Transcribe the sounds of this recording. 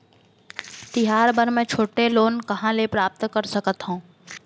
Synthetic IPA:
t̪ɪɦaːɾbəɾmɛ̃ːt͡ʃʰoːʈeloːnkɐɦãlepɾaːp̚t̪kəɾsəkət̪ɦũː

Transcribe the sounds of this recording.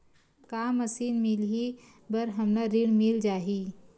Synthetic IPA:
kaːməsiːnmɪli | bəɾɦɐmnaɾiɽmɪld͡ʒaːɦi

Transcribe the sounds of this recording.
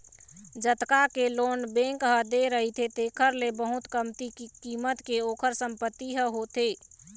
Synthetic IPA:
d͡ʒət̪kakeloːnbẽŋkɦəd̪eɾəɦit̪ʰet̪eːkʰəɾlebəɦʊt̪kəmt̪ikikiːmət̪keoːkʰəɾsəmpət̪ːiɦəɦot̪eː

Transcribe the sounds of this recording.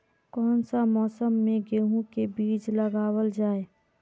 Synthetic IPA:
kɔːnsamɔːsəmːẽɡeːɦũkebiːt͡ʃləɡaːwəld͡ʒaːeː

